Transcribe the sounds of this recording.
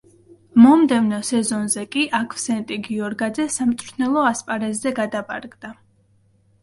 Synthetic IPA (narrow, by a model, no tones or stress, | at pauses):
mɔmd̪ɛvnɔsɛzɔnzɛkʼiʔakʰfsɛnt̪ʼiɡiɔɾɡad̪zɛsamt̪ʼɾʰnɛlˠɔaspʼaɾɛɛɡad̪apʼa̰ɾɡd̪a